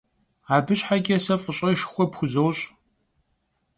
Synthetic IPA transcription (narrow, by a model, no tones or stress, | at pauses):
aːbɨɕħaɡʲɪsɐfʼəɕʼɐʃxʷɔpxʷʊzowɕʼ